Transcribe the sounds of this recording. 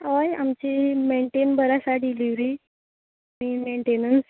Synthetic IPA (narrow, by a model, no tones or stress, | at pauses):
ʋaja̰mt͡ɕimeɳʈenbəɾasaɖiliʋɾiː | mimeɳʈenəns